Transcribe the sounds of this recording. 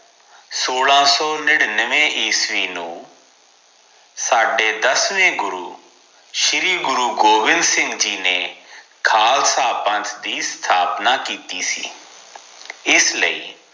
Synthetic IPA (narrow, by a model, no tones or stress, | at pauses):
soːlãːsɔːnɪɽnəʋẽːʔiːsʋiːnṵ̃ː | saːɖeːd̪əsʋẽːɡʊɾṵː | ʃɪɾiːɡʊɾuːɡoːʋɪnd̪sɪ̃ŋɡd͡ʒiːneː | kʰaːlsaːpə̃nt̪d̪iːst̪ʰaːpnaːkiːt̪iːsḭː | ɪslə̰ḭː